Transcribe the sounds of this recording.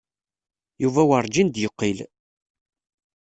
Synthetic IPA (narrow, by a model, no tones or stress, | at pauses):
juvæwɾˤd͡ʒind̪jəqːil